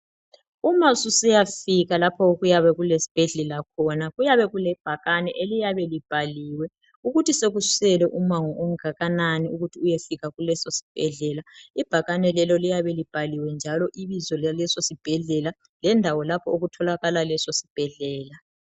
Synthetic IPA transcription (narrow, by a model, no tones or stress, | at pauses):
umasusijafiɣalapʰɔoɣujaβɛɣulesi̥b̥ʱɛɮɛlakʰɔnaɣujaβɛɣulɛb̥ʱaɣanɛʔelijaβɛlib̥ʱaliːwɛ | uɣutʰiseɣussɛlɛʔumaŋɔʔɔŋaɣananiuɣutʰiujefiɣaɣulɛsosi̥b̥ʱɛɮɛlaib̥ʱaɣanɛlɛlɔlijaβɛlib̥ʱaliwɛnd͡ʒʱalɔʔiβizɔllɛsosib̥ʱɛɮɛla | lɛndʱawɔlapʰɔoɣutʰɔlaɣalalɛsosi̥b̥ʱɛɮɛːla